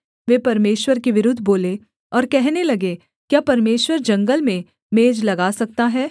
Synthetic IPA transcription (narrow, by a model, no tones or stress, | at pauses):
ʋeːpɐɾmeːʃwəɾkiʋɪɾʊd̪ʱːboːle | ɔːɾkɛɦnelɐɡe | kjaːpɐɾmeːʃwəɾd͡ʒɐ̃ŋɡəlmẽ | meːd͡ʒlɐɡaːsɐk̚t̪aɦɛː